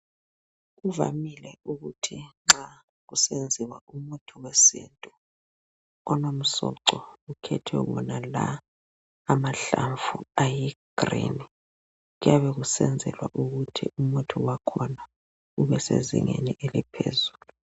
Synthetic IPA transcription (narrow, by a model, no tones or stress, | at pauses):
uva̰milɛuɣutʰiŋ͡ǁa | ɣusend͡zʱiwaumutʰuwesḭːntʼu | ɔnom̩sɔǀɔukʰɛtʰwɛ̰ɣɔ̰nalaː | maɬaɱvuajiɡ̥rḭːni | ɣujaβɛɣusɛnd͡zʱɛ̰lwaʔuɣutʰḭʔumutʰiwakʰɔna | uβɛsḛzḭŋḛniʔelipʰḛzuːlu